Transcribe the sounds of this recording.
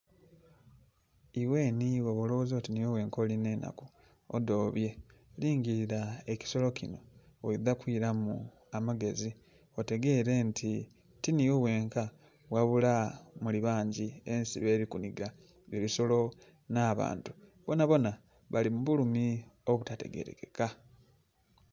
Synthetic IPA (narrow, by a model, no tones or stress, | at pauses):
iwe̞ːniwoβolozo̞tinijo̞βwe̞ːŋko̞ːline̞na̰ku | odo̞ːβje̞liːŋɡiɾiɾae̞ci̥so̞lo̞cino̞ | oidakwiɾamu | amaɡe̞zi | ote̞ɡe̞ɾe̞ntʰi | tinijoβwe̞ːŋka | βwaβulamuliβaːɲɟiensḭβe̞ːɾikuniɡa | βiβiso̞lo̞ | naːβa̰ːntu̥βo̞naβo̞na | βalimuβulumioβutate̞̰ɡe̞̰ɾḛke̞ka